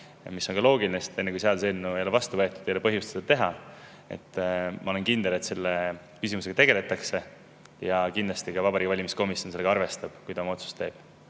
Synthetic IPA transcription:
misːo̞nkɑlo̞ːɡilinest̪e̞nːekujseɑlse̞lnːuejo̞le̞vɑst̪uvɤ̞et̪ːˑud̪̥ejolepɤɦjust̪sed̥̪ɑt̪e̞ɦɑ | e̞̰t̪ːˑmʔɑole̞nkind̪̥e̞le̞t̪se̞lːe | kysimuse̞ɡ̥ɑt̪e̞ɡe̞le̞t̪ːˑɑkse̞ | jɑkind̪lɑst̪ikɑvɑbɑɾikːɑvɑlʲimisko̞misjonse̞lːeɡɑɑrve̞st̪ɑb̥kujd̪ɑmɑo̞t̪su̥st̪ːe̞̰ːb̥̚

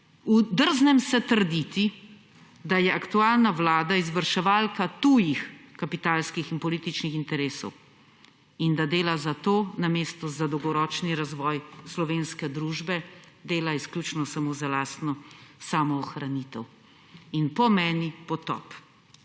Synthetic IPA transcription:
ud̪əɾznɛmsɛt̪əɾd̪it̪i | d̪ajɛakt̪uaːlnaʋlaːd̪aizʋəɾʃɛʋaːlkat̪uːjixkapit̪aːlskixinpɔliːt̪it͡ʃnixint̪ɛɾeːsɔ̰w | ind̪ad̪eːlazat̪oːnameːst̪ɔzad̪ɔwɡɔɾɔːt͡ʃniɾazʋɔːjslɔʋeːnskɛd̪ɾuːʒbɛ | d̪eːlaisklʲut͡ʃnɔsamozalaːst̪nɔsamɔːxɾanit̪ɛw | inpɔmɛːnipɔt̪ɔ̰p

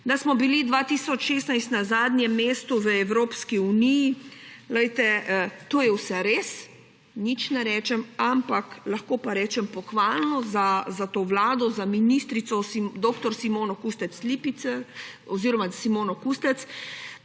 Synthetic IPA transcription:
d̪asmɔbilid̪ʋat̪isɔt͡ʃʃeːst̪najst̪nazaːd̪nʲjɛmːeːst̪uʋəɛwɾoːpskiunijilɛjt̪ɛt̪oːjɛwsɛɾes | nit͡ʃnɛɾɛːt͡ʃɛmampaklaxkoːpaɾɛːt͡ʃɛmpɔxʋaːlnɔzazat̪oːʋlaːd̪ɔzaminist̪ɾit̪sɔsid̪oːkt̪ɔɾsimoːnɔkust̪ɛt̪slipiɛɔziːɾɔmasimoːnɔkust̪ɛt̪s

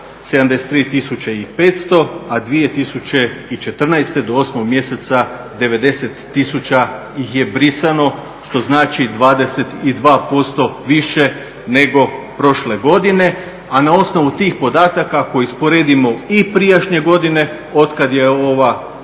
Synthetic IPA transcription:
se̞d̪amd̪e̞se̥t̪ɾiːt̪isut͡ɕeipet̪st̪o̞ad̪ʋie̞t̪isut͡ɕe̞it͡ʃe̞t̪r̩najst̪e̞d̪o̞o̞smoɡ̚mje̞set̪sa | d̪e̞ʋe̞d̪e̞se̞t̪ːisut͡ɕa | jixje̞bɾisano̞ | ʃt̪o̞znaːt͡ʃid̪ʋaːd̪e̞se̞t̪id̪ʋaːpo̞st̪o̞ʋiʃe̞ | ne̞ɡo̞pɾo̞ʃle̞ɡo̞d̪ine̞ | anao̞sno̞ʋut̪iːxpo̞d̪aːt̪akako̞jiispo̞ɾeːd̪imo̞ipɾijaʃɲe̞ɡo̞d̪ine̞ | o̞t̪kad̪jeo̞ʋa

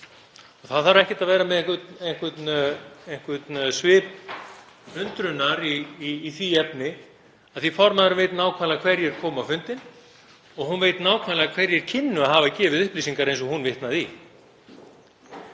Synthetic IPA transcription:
ɔɣθaðθaɾɛhcɛ̥t̪aðvɛːɾamɛðeŋkvʏt̪eŋ̥kvɛt̪neŋ̥kvɛt̪nsvɪːp | ʏnt̪ɾʏnːaɾiːθiɛpnɪ | aðθifɔɾmaðɾʏmvɛjt̪naːwkʰaːlakʰvɛɾjɛɾ̥kʰɔːmawfʏnt̪ɪn | ɔɣɦunveːjt̪naːwkʰvalɛakʰvɛɾjɛɾ̥cʰɪnːʏaðɦaːvacɛːvɪðʏhpliːsiŋkaɾejnsɔhunvɪht̪naði

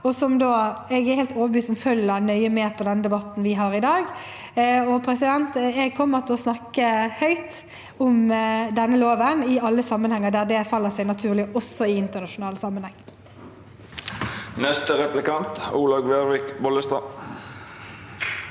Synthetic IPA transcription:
ɔsɔmd̪oːɛɡɛheːlt̪oːʋəbyːsɔmfœlːənœʏəmeːpʰɔd̪ɛnːəd̪ɛbɑt̪ːn̩ʋɪɦɑːʁɪd̪ɑːɡ | ɔpʰɾɛsɪd̪ɛnt̪ɛɡ̚kʰɔmːəʁt̪ʰɛlɔsnɑkːəhœʏt̪ | ʊmd̪ɛnːəloːʋənɪɑlːəsɑmːənhɛŋːəd̪æːʁd̪ɛfɑlːəsɛæɪnɑt̪ʰʉːʁlɪʔɔsːɔɪɪnt̪əʁnɑʃʊnɑːlsɑmːənhɛŋː | nɛst̪əʁɛplɪkɑnt̪uːlɑɡʋeːʁʋɪkbɔləst̪ɑ

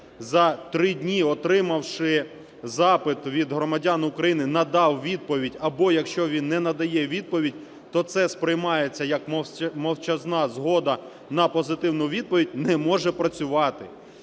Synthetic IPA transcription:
zɐt̪ɾɪdʲnʲiɔt̪ɾɪmɐwʃɪ | zɑpɪt̪ʋʲid̪ɦɾɔmɐdʲanʊkɾɐjinɪnɐd̪ɑwʋʲid̪̚pɔʋʲidʲɐbɔjɐkʃt͡ʃɔʋʲinːɛnɐd̪ɐjɛʋʲid̪̚pɔʋʲidʲ | t̪ɔt̪sɛspɾɪjmɑjet͡sʲːɐjɐkmmɐwt͡ʃɐznɑzɦɔd̪ɐ | nɐpɔzɪt̪ɪwnʊʋʲid̪̚pɔʋʲidʲnɛmɔʒɛpɾɐt͡sʲʊʋɑt̪ɪ

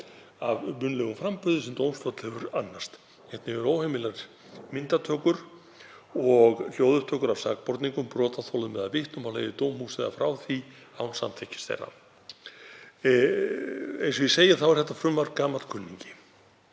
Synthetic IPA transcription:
avmʏnlɛɣʏmfɾampʏðʏsɛmt̪owmsfœt̪l̥hɛvʏɾanːast̪ | ɛht̪nɪvɛɾowhemɪlaɾ | mɪnt̪at̪ʰœːkʏɾ̥ | ɔɣl̥joːwðʏɾt̪ʰœːkʏɾavsaːkpɔɾt̪niŋkʏmpɾɔːt̪aθʰowlðʏmɛðaðvɪht̪nʏmawlḛjðɪt̪oːwmhusɪða̰fɾaːwθi | awnsa̰mt̪ʰɛhcɪ̥stθḛrːa̰ | ḛjnsvɪseːjaθawvḁɾθɛht̪ːafɾʏmvaɾkaːmalt̪kʰʏnːiɲcɪ̥

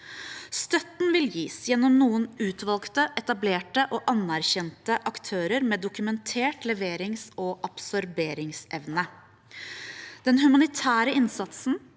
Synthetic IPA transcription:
st̪œt̪nʋɪljiːsjɛnːɔmnuːənʉːt̪ʋɑlkt̪əʔɛt̪ɑbleːʈəʔoːʔɑnæɾçɛnt̪əʔɑkt̪ʰøːɾəɾmeːd̪ʊkʉmɛnt̪ʰeːʈlɛʋeːɾɪŋsɔʔɑpsɔɾbeːɾɪŋsɛʋnə | d̪̥ɛnɦʉmɑnɪt̪ʰæːɾəɪnsɑt̪sn̩

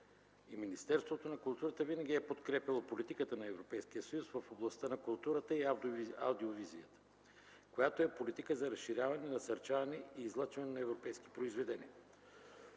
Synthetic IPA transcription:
iminist̪ɛɾst̪vot̪onɐkulˠt̪uɾət̪əvinəɡ̟ʲiɛpot̪kɾɛpʲjɐlˠopolit̪ikət̪ənɐɛvɾopɛjsk̟ijəsɐjusvəfoblˠɐst̪ənɐkulˠt̪uɾət̪əiawd̪oad̪iovizijət̪ə̥ | kojat̪oɛpolit̪ikəzɐɾɐsʃːiɾʲavɐnɛnɐsɐɾt͡ʃavɐnɛiːzlˠat͡ʃvɐnɛnɐɛvɾopɛjsk̟i̥pɾoizvɛd̪ɛnʲḭə

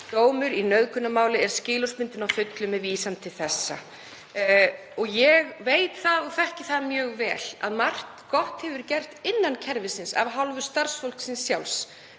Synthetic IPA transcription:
t̪oːwmʏɾinœðkʰʏnːamaːwlɪɛɾ̥scɪːlɔspɪnt̪ɪnafʏt̪lʏmɛviːsant̪ʰɪlθɛsːa̰ | ɔɣjɛɣveːjt̪θaðɔɣθɛhcɪθaðmjœːɣvɛːla̰ðmar̥k | kɔht̪hɛvʏɾcɛr̥t̪ɪnːancʰɛɾvɪsɪnsa̰vɦawlvʏ̥st̪ar̥sfowl̥ksɪnsːjawls

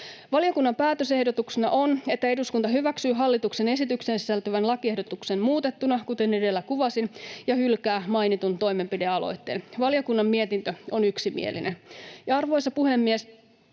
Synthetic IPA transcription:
ʋɑlijo̞kunːɑmpæːt̪øse̞hdo̞t̪uksenɑ̰ʔone̞t̪ːæe̞duskunt̪ɑɦyʋæksyːɦɑlːit̪ukse̞ne̞sit̪yksensisælt̪øʋænlɑkie̞hɦdo̞t̪ukse̞nmuːt̪e̞t̪ːunɑkut̪e̞ne̞de̞lːækuʋɑsinjɑhylkæːmɑjnit̪unt̪o̞jme̞mpideɑlo̞̰jt̪ːe̞̰ːnʋɑlijokunːɑmmie̞t̪int̪øo̞nyksimḭḛlḭnʔenjɑɑrʋo̞jsɑpuhe̞mːies

